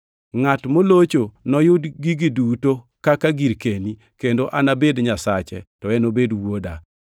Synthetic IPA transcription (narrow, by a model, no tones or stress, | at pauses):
ŋatmolot͡ʃonɔjʊdɡiɡiduto | kakaɡiɾkeni | kendoʔanabedɲasat͡ʃɛ̰tɔɛnobedwoda̰